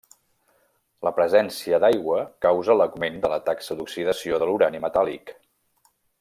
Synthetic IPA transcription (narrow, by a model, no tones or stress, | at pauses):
ləpɾəzɛnsiəd̪ajɣwəkawzələɡmend̪ələt̪aksəd̪uksiðəsioðəluɾanimət̪alḭk